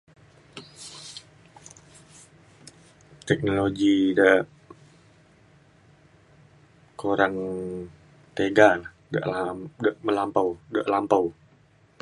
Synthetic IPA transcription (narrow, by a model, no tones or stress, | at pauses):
t̪ɛk̚noloɡidə | kʰoɾaŋ | t̪eɡa | də̰ʔldəʔməlampawdəʔlampaw